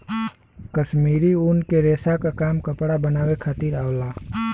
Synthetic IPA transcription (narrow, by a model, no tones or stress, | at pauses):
kəʃmiːɾiuːnkeɾeːsakakaːmkəpɽabənaːwekʰaːt̪iːɾaːwlaː